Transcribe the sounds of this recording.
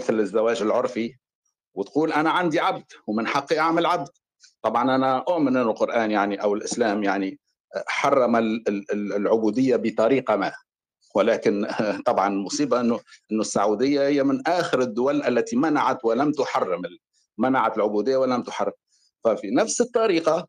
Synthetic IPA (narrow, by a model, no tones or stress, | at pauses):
ɪθlɪzːawæːʒɪlʕʊɾˤfi | wɪt̪quːlʔanæʕand̪iʕab̚d̪̥wmɪnħɑqːiʔaʕmɪlʕab̚d̪̥ | t̪ˤɑbʕɑnʔænæʔʊʕmɪnʔɪnːʊlqʊɾʔaːnjaʕniʔawɪlʔɪslæːmjaʕni | ħɑrˤːɑma | lʕʊbuːd̪ɪjːabət̪ˤɑɾiːqɑmæː | wɪlæːkɪnt̪ˤɑbʕɑnɪlmʊsˤiːbɑʔɪnːʊʔɪnːʊsːaʕud̪ɪjːahɪjːamɪnʔaːxɪɾɪd̪ːʊwælʔælːæt̪imanaʕat̪wɪlamt̪ʊħɑrːɪmɪ | manaʕat̪ɪlʕʊbud̪ɪjːawɪlæmt̪ʊħɑrˤːɪm | fæfinafsɨt̪ˤːɑɾiːqɑ